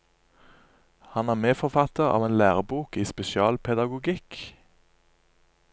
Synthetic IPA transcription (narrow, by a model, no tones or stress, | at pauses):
hɑnæːʁmeːfɔʁfɑt̪əʁɑ̰ːʋeːnlæːʁəbuːkiːspɛʃɪɑːlpʰɛd̪ɑɡʊɡɪk